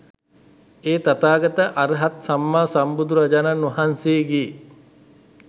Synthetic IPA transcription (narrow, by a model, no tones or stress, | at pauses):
eːt̪at̪aːɡɐt̪əʔaɾəɦat̪samːaːsambud̪uɾad͡ʒananoɐɦanseːɡiː